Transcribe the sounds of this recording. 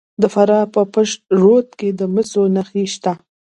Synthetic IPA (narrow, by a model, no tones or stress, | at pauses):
d̪əfaɾɑpəpəʂt̪̚ʐot̪̚ked̪əməsonaxiʃt̪a